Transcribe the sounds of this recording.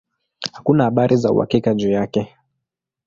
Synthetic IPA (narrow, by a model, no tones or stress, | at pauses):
hakunahaɓaɾʔizaṵha̰kikaʄuːjakɛ